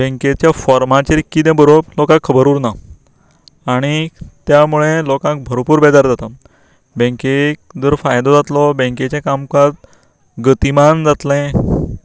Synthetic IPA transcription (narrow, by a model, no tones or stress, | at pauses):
bẽŋket͡ɕjafɔɾmãt͡ɕeɾikːid̪ɛ̃bəɾolokãkʰːəbəɾuːɾna | aɽ̃it̪jamuɭẽlokãk̚bʱəɾopuːɾbɛd͡z̪aɾd͡zat̪a | bẽŋkek̚d͡z̪əɾfajd̪ɔd͡zat̪lɔbẽŋket͡ɕãkamkat̪̚ | ɡət̪imand͡zat̪lɛ̃